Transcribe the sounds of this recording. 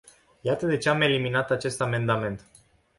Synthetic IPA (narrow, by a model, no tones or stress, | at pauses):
jat̪əd̪e̞t͡ʃeame̞liminat̪at͡ʃe̞st̪ame̞nd̪ame̞nt̪